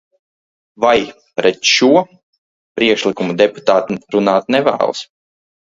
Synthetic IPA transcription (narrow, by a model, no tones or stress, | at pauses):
vaj | pɾɛt̪ʃuɔ | pɾiɛkʃlikumud̪ɛpu̥t̪aːt̪ɾunaːt̪nɛvæ̰ːl̰ˠs